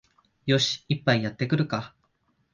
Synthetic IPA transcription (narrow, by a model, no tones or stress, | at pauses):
jo̞ɕi̥ipːaijat̪ːe̞kɯ̟ɾɯ̟ka